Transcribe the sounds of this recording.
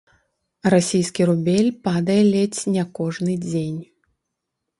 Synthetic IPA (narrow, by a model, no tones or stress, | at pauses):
rasʲijskʲiɾubʲelʲpad̪ɐjɛlʲɛt͡sʲnʲɛkɔʐnɨd͡zʲenʲ